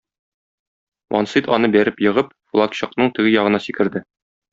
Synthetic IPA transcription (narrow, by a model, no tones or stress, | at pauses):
wɒ̰nsit̪ɒnɤbæɾɘpjɤ̆ʁɤp̚flˠɑkɕɤ̆q̚nɤɴt̪ɘ̆ɡɘjɒʁɤ̆nɑsikɘ̆ɾd̪ɘ